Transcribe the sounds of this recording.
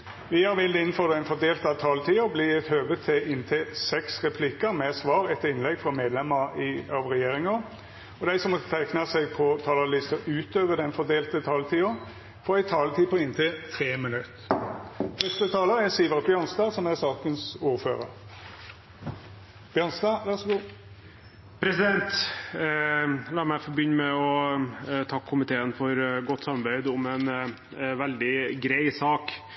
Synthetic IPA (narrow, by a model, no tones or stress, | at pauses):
ʋɪhɑɾʋɪld̪ɪnːfɔʁd̪æɪnfɔʁd̪eːlt̪ɑʋt̪ʰɑːlt̪ʰiːʊbliːɛt̪høːʋət̪ʰɪɪnt̪ʰeːsɛksʁɛpʰlɪkəɾmɛsʋɑːʁɛt̪ːəɾɪnlɛɡfɔmeːd̪lɛməʁɪɑʋʁɛjeːɾɪŋə | ɔd̪æɪsɔmːɔt̪ːət̪ʰæɪknɑsɛɡ̚pʰɔt̪ʰɑːləlɪst̪əɾʉːt̪øːʋəd̪ɛnfɔʁd̪eːlt̪ət̪ʰɑːlt̪ʰiːʊ | fɔːɾæɪt̪ʰɑːlt̪ʰiːpʰɔɪnt̪ʰeːt̪ʰʁeːmənʉt̪ | fœst̪ət̪ʰɑːləɾɛsiːʋəʁbjœnst̪ɑsɔmæsɑːkənsuːɾfø̰ːʁə̰ɾ | b̥jœnst̪ɑʋæsɡuː | pʰɾɛsɪd̪ɛnt̪ | lɑːmæɪfɔbʏnːmɛɔ | t̪ʰɑkʰːʊmɪt̪ʰeːənfɔɾɡɔt̪ːsɑmɑbæɪd̪ʊmɛn | ʋɛld̪ɪɡɾæɪsɑːk